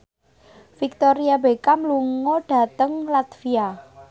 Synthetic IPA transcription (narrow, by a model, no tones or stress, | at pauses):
fik̚t̪oɾiabekamluŋɔɖ̥ä̤t̪əŋlat̪fia